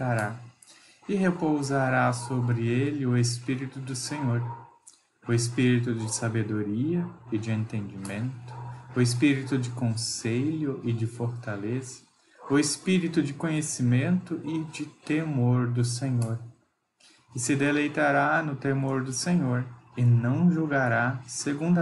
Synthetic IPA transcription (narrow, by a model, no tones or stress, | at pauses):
aɾa | ɪɦepowzaɾasobɾɪelɪʊespiɾit̪ʊd̪ʊsẽɲoɾ | ʊespiɾit̪ʊd͡ʒɪsabed̪oɾiɐɪd͡ʒɪẽnt̪ẽnd͡ʒɪmẽnt̪ʊ̥ʊespiɾit̪ʊd͡ʒɪkõseʎʊʔɪd͡ʒɪfoɾt̪alezɐ̥ | ʊespiɾit̪ʊd͡ʒɪkõɲesimẽnt̪ʊʔɪd͡ʒɪt̪emoɾd̪ʊsẽɲoɾ | ɪsɪd̪elejt̪aɾanʊt̪emoɾd̪ʊsẽɲoɾɪnɐ̃w̃ʒuɡaɾaseɡũnd̪